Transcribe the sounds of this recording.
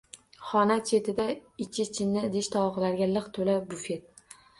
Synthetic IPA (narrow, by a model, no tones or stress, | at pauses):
χɒnat͡ʃʰe̞t̪ʰɪd̪aɪt͡ʃʰɪt͡ʃʰɪnːɪd̪eʃt̪ʰɒɒqlaɾɡʲalɨqt̪ʰolabʊfe̞t̪̚